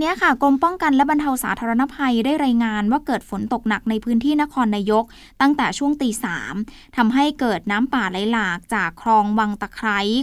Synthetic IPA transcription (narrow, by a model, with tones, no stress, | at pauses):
ni˦˥ɐkʰa˥˩kɾo˧mpɔ˥˩ŋka˧nlɛ˦˥ba˧nt̪ʰa˧wsaː˩˦t̪ʰaː˧ɾa˧na˦˥pʰa˧jdaː˥˩jɾaː˧jŋaː˧nwaː˥˩kɤː˨˩t̪̚fo˩˦nt̪o˨˩k̚na˨˩k̚na˧jpʰɯː˦˥nt̪ʰiː˥˩na˦˥kʰɔː˧nːaː˧jo˦˥k̚ | t̪a˥˩ŋt̪ɛː˨˩t͡ɕʰu˥˩əŋt̪iː˧saː˩˦m | t̪ʰa˧mɦa˥˩jkɤː˨˩t̪̚naː˦˥mpaː˨˩tla˨˦jlaː˨˩k̚t͡ɕaː˨˩kʰːɾɔː˧ŋwa˧ŋt̪a˧˩kʰɾa˦˥j